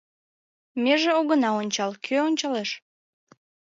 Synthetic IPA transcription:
meʒeoɣənɑonʲt͡ɕɑlkʰøonʲt͡ɕɑleʃ

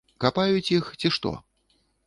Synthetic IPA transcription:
kapajut͡sʲixt͡sʲiʂt̪ɔ̰

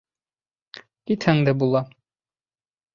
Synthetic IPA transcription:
kit̪hæŋd̪ɘbulˠɑ

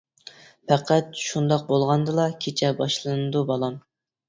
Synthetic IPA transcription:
pʰɛqʰæt̪ʃund̪ɑq̚bolˠʁɑnd̪ɨlˠɑkʲʰet͡ʃʰɛbɑʃlˠɨnɨd̪ubɑlˠɑm

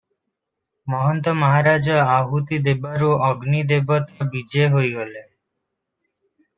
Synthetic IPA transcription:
mɔɦɔnt̪ɔmaɦaɾad͡ʑɔaɦut̪id̪ebaɾuʔɔɡnid̪ebɔt̪abid͡ʒeɦojɡole

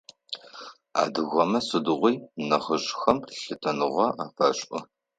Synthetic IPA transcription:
a̰ːdɨɣʷɐmɐsʼɨdɨʁʷijnɐχəɕʼxɐmɬɨtʰɐnɨʁʷɐʔaːfɐɕʼʔɔ

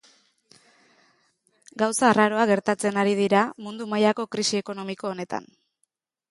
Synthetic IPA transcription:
ɡawsaːraɾo̞aɣe̞ɾt̪at͡se̞naɾið̞iɾamund̪umajako̞kɾisie̞ko̞no̞miko̞ːne̞t̪a̰n

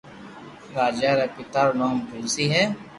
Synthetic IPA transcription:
ɾaːd͡ʒaɾapɪt̪aːɾnoːmpʊlsiɦɛː

